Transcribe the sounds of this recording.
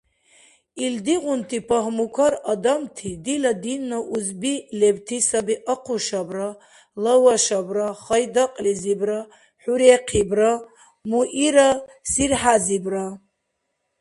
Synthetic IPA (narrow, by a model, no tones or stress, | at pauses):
ild̪iʁʊntʰipʰaɦmukʷʰaɾad̪amtʰidilad̪inːaʔuzbilebtʰisabiʔaqʷʰuʃabra | lawaʃabraχɐjd̪aqʼlizibra | ħuɾeqʰibra | muʔiɾasirħazibra